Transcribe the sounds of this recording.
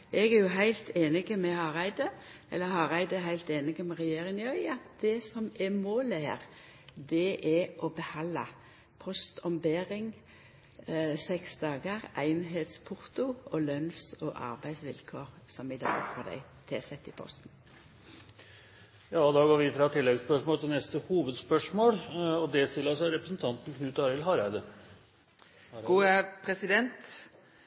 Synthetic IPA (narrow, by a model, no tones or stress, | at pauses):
ʔɛɡæjʊɦæɪlt̪ʰeːnɪɡəmɛhɑːʁæɪd̪əʔɛ̰lːəhɑʁæɪd̪əɦæɪlt̪eːnɪɡəmɛʁɛjeːʁɪnɪœʏɑt̪̚d̪̥ɛsɔmɛmoːləhæ̰ːʁ | d̪ɛʔɛʔɔbəhɑlːɑ̰ | pʰɔst̪ʰɔmbeːɾɪŋ | sɛksd̪ɑːɡəʁæɪnɦeːt̪spʰʊʁt̪ʊɔlœnsoːʔɑ̰ʁbæɪsʋɪlkʰoːʁsɔmɪd̪ɑ̰ːɡfɔd̪æ̰ɪ | t̪ʰɪɛsɛt̪ːɪpʰɔ̰st̪n̩ | jɑːɔd̪ɑːɡoːɾʋɪfɾɑt̪ʰɪlːɛɡspœʂmoːlt̪ɪlnɛst̪əhuːʋəd̪spœʂmoːlɔd̪ɛst̪ɪlːəsæɾɛpɾəsn̩t̪ʰɑnt̪n̩kʰnʉːt̪ɑːɾɪlɦɑːɾæɪd̪ə | ɡuːæpʰɾɛsɪd̪ɛnt̪